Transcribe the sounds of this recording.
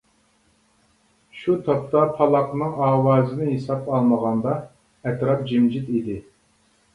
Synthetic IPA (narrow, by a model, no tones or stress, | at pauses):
ʃut̪ʰɑp̚t̪ɑpʰɑlˠɑqnɨŋɑːwɑːzɨnɪɦesɑpɑlˠməʁɑnd̪ɑ | ɛt̪ɾɑp̚d͡ʒimd͡ʒit̪id̪ɪ